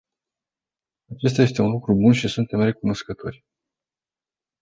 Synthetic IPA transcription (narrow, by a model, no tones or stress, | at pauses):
at͡ʃe̞s̬t̪ajest̪e̞unlukɾubunʃisunt̪emre̞kuno̞skət̪ʰo̞̰rʲ